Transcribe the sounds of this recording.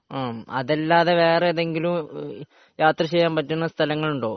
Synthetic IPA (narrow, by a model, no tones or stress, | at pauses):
aːɐ̰ðelːaːðeʋeːreɐðe̞ŋɡilum | jaːt̪rɐɕejːaːmpɐtːunːɐst̪ʰɐlɐŋːɐɭuɳɖoː